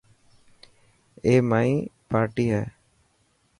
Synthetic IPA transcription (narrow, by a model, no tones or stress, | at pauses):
eːmaĩːpaːɾʈiːɦa